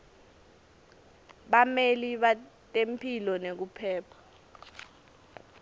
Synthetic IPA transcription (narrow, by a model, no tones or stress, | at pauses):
ɓameliɓatʼempʰilɔnek̬upʰɛːpʰḁ